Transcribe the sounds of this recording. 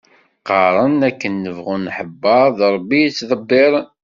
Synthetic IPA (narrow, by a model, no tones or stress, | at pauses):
qɑɾˤənækːənːəvʁunːħəbːɑɾˤðˤɾˤbːit͡sːðˤəbːɪɾˤən